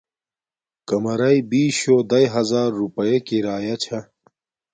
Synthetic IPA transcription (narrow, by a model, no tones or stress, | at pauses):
kɐmɐɾɐibiːɕoːd̪ɐjɦɐzaːɾːupɐjekiɾaːjɐt͡ɕʰɐ